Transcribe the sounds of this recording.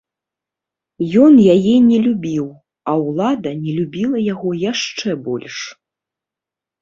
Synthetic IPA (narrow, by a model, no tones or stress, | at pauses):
jɔnjajɛnʲɛlʲubʲiw | ɐwlˠad̪ɐnʲɛlʲubʲilˠɐjaɣɔjaʂt͡ʂɛbɔlʲʂ